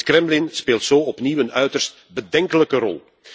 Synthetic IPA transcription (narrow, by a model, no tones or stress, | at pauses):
krɛmlɪnspeːlˠtsoːɔpniwənœɥtərst̚ | bədɛŋkələkərɔ̰lˠ